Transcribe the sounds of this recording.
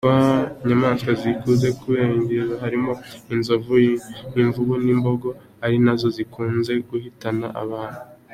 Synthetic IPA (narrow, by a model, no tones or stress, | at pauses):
aɲamaːnskazikuːze̞kuβeɲɟiɾahaɾimo̞inzovujiɱvuɡoniːmbo̞ɡo̞ | haɾinazo̞zikʰuːnze̞ɡuhitana̰ʔa̰βaːn̥uu